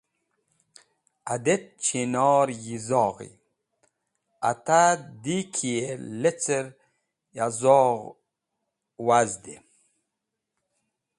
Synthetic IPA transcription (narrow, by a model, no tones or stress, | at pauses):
ad̪et̪̚t͡ɕʰinɑːɾjizɔːʁḭ | a̰t̪ad̪ikʰijelet͡səɾ | jazɔːʁ | wazd̪e